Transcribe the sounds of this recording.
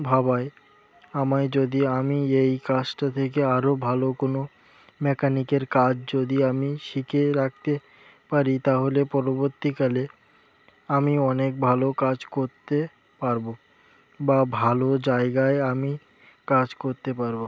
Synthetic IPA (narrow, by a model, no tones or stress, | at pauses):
bʱabae | amajd͡ʑod̪iamiejkad͡ʑʈat̪ʰek̬eaɾobʱalokono | mɛkanikeɾkad͡ʑd͡ʑod̪iamiʃikeɾak̚t̪e | paɾit̪aɦolepɔɾoboɾt̪ikale | amiɔnek̚bʱalokad͡ʑkoɾt̪e | paɾbo | babʱalod͡ʑaeɡaeami | kad͡ʑkoɾt̪epaɾbo